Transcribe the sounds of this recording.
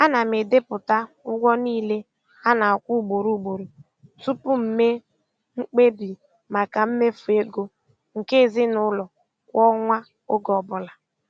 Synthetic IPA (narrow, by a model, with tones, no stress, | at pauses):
a˦na˨me˨de˦pʊ˨ta˦ | ʊ˦ɡʷɔ˦niː˦le˦ | a˦na˨ɔ˨kʷu˦˨ɡ͡bo˨ɾu˦ɡ͡bo˨ɾu˨ | su˦pʊ˦m̩˨me˦ | ŋ͡m̩˦k͡pe˦bi˨ | ma˨ka˨m̩˦me˦fu˨e˦ɡo˦ | ŋ̩˨ke˦˨zɪ˦nʊ˦lɔ˨ | kʷɔ˦ŋʷa˦ | ʊ˦ɡɔ˨bʊ˨la˨